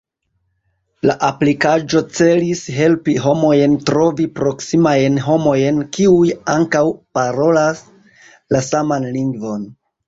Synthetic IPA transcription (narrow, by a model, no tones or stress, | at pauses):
la̰ʔaplikad͡ʒo̞t͡se̞lisɦe̞lpiɦo̞mo̞jntɾo̞vipɾo̞ksimajnɦo̞mo̞jnkiujaŋkawpaɾo̞las | lasamanliŋɡvo̞n